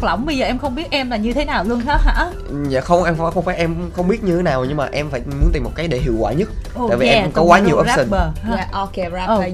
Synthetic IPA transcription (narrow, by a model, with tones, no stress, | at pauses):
lə̰˧˩wŋ͡mɓə˧jzəː˨˩ʔɛ˧mxə˧wŋ͡mɓi˦˥ət̚ʔɛ˧mlaː˨˩ɲɨ˧t̪ʰe˨˦naː˨˩wlu˧ənxaː˦˥t̚ha̰ː˧˥˩ | ɲa̰˧˨xə˧wŋ͡mʔɛ˧m˧˩xə˧wŋ͡mfaː˧˩˦ʔɛ˧mxə˧wŋ͡mɓi˦˥ət̚ɲɨ˧t̪ʰe˨˦naː˨˩wɲɨ˧ŋmaː˨˩ʔɛ˧mfaː˧˩jmu˨˦əni˨˩m̚˨˩kaː˨˦jɗe˧˩ɦi˧˨əwkwa̰ː˧˩˨ɲə˦˥t̚ | o̰ː˧˨˧vi˨ʔɛ˧m˧˩kɔ˨˦kwaː˨˦ɲi˨˩əwʔəː˧˦si˧˩ɓə˨˩a˨˩ʔo˧ke˧a˦˧